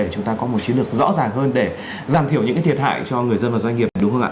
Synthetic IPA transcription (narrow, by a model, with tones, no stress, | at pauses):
e˧˩t͡ɕʊ˨˦ŋ͡mt̪aː˧kɔ˨˦mo˨˩t̚t͡ɕi˨˦nlɨ˨˩ək̚zɔ̰˧˥zaː˨˩ŋɦəː˧nɗe˧˩ | zaː˨˩mt̪i˧˩əwɲɨ̰˧˥ka˨˦t̪ʰət̚ha̰ː˧˨jt͡ɕɔ˧ŋɨ˨˩əjzə˧nvaː˨˩za˧ŋŋi˨˩əpɗʊ˨˦ŋ͡mɦə˧nʔa̰ː˧